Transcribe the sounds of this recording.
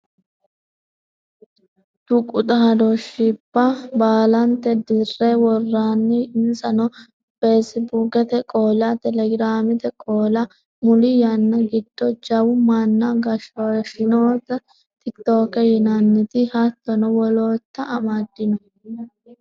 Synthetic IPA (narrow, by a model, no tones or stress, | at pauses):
t̪ʊkʼʊt̪ʼaːd̪ɔʃibːɐbaːlɐnt̪ːɛd̪ɪrːɛwɔrːaːnːɪɪnsʼɐnɔ | fesɪbukɛt̪ɛkʼoːlɐt̪ɛlɛɡɪɾaːmɪt̪ɛkʼoːlɐ | mʊlɪjɐnːɐɡɪd̪̥ːɔd͡ʒɐwʊmɐnːɐɡɐʃoʃɪnoːt̪ːɐ | t̪ɪkt̪oːkɛjɪnɐnːɪt̪ɪhɐt̪ːɔnɔwɔloːt̪ːɐːmad̪ːɪnɔ